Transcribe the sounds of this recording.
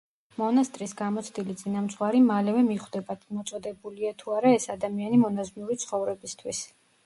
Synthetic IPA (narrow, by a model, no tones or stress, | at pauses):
mɔnast̪ʼɾisɡamɔt̪sʰd̪ilit̪sʼinamt̪sʼvwaɾimalɛvɛmiχwd̪ɛbad̪mɔt̪sʼɔd̪ɛbuliat̪ʰuaɾaɛsad̪amianimɔnaznuɾit̪sʰχɔvɾɛbist̪ʰwis